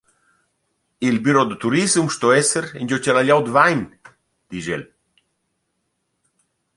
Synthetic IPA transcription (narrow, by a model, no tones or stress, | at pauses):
ilbyɾod̪ət̪uɾizumʃt̪oɛsəɾeɲʲd͡ʒot͡ʃalaʎawd̪əvajn | d̪̥iʒḛl